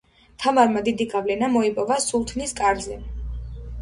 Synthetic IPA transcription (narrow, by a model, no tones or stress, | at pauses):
t̪ʰamaɾmad̪id̪iɡavlɛnamɔipʼɔvasulˠt̪ʰniskʼaɾd̪zɛ